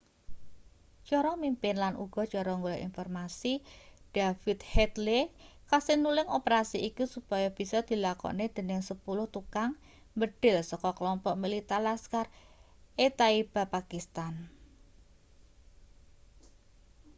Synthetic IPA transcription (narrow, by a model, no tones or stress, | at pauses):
t͡ʃɔɾɔmimpɪnlanʔṵɡ̥ɔ̤t͡ʃɔɾɔŋɡolɔʔḭnfɔrmasid̥afit̪̚hɛt̪lekasɪnulɪŋopəɾasiʔikusupajab̥i̤sɔd̪̥i̤lakɔ̰ned̪̥e̤nɪŋsəpulʊht̪ukaŋ | mbəɖ̥ɪ̤lsɔkɔklɔmpɔʔmilit̪alaskar | et̪aib̥a̤pakist̪an